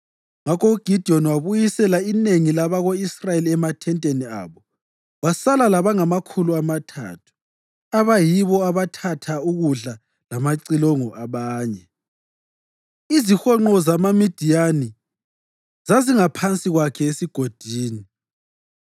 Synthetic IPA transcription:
ŋakʰɔuɡ̥ʱid̥ʱiɔnwaβujisɛlaineŋilaβaɣoisrajeliɛmatʰɛntʼenia̰ːβɔ | wasalalaβaŋamakʰuluamatʰa̰tʰu̥ | aβajiβɔaβatʰatʰauɣuɮa | lamaǀilɔŋɔʔaβaːɲɛ | izixɔŋ͡ǃɔzamamid̥ʱijani | zaziŋapʰant͡sʼiɣwakʰɛesiɡ̥ʱod̥ʱiːni

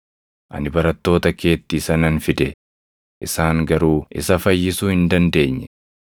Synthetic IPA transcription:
ʔɐ̰nɪbɐɾɐt̪ːo̞ːt̪ɐke̞ːt̪ːisɐnɐnfɪd̪ɛ | ʔɪsaːŋɡɐɾuːɪ̰sɐfɐjːɪsuːhɪnd̪ɐnd̪e̞ːɲːɛ

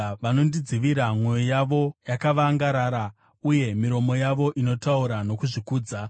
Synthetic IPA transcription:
ʋano̞ndid͡ziʋiɾamwe̞jojaʋo̞jakaʋaŋɡaɾaːɾa | uje̞miɾo̞mo̞jaʋo̞ʔino̞tauɾano̞kuʐikuːd͡za

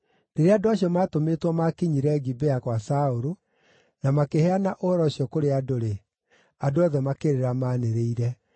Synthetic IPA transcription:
neɾeandoaɕijɔmatometwɔmakiɲiɾɛɡibeakwasaoɾo | namakehɛanaʔohɔɾɔɕiɔkoɾeadoɾe | adoɔðɛmakeɾeɾamaːneɾeiɾɛ

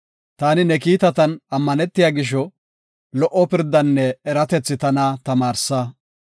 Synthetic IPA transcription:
t̪aːnɪnɛkiːt̪ɐt̪ɐnɐmːɐnɛt̪ːɪjaːɡɪʃ̬ɔ | lɔʔːɔpɪɾd̪ːɐnːɛːɾɐt̪ɛt͡sːɪt̪ɐnɐt̪ɐmaːɾsɐ

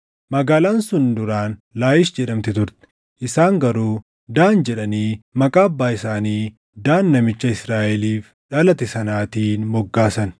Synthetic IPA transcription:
mɐɡaːlaːnsʊnd̪ʊɾaːnlaːjɪʃd͡ʒɛᶑɐmt̪ɪt̪ʊɾt̪ɛ̥ | ʔɪsaːŋɡɐɾuː | d̪aːnd͡ʒɛᶑɐniːmɐkʼaːɐbːaːɪsaːniː | d̪aːnːɐmɪt͡ʃːɐɪsɾaːʔɛliːf | ᶑɐlɐt̪ɪsɐnaːt̪iːnmɔɡːaːsɐn

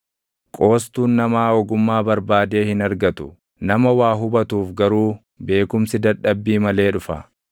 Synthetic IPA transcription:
kʼo̞ːst̪uːnːɐmaːɔɡʊmːaːbɐɾbaːd̪e̞ːhɪnɐɾɡɐt̪ʊ̥ | nɐmɐwaːɦʊbɐt̪uːfɡɐɾuː | be̞ːkʊmsɪd̪ɐᶑɐbːiːmɐle̞ːᶑʊfɐ̰

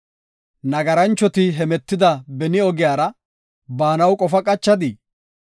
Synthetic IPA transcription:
nɐɡɐɾɐnt͡ʃːɔt̪ɪɦɛmɛt̪ːɪd̪ɐbɛnɪɔɡɪjaːɾɐ | baːnɐwkʼɔfɐkʼɐt͡ʃːɐd̪ɪ

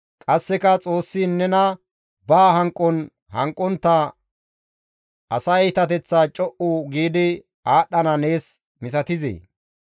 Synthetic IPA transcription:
kʼɐsːɛkɐt͡sʼo̞ːsːiːnːɛnɐ | baːɦɐŋkʼːɔn | hɐŋkʼːɔnt̪ːɐ | ɐsɐjt̪ɐt̪ɛt͡sːat͡ʃʼɔʔuɡiːd̪ɪ | aːɗːɐnɐne̞ːs | mɪsɐt̪ɪzḛː

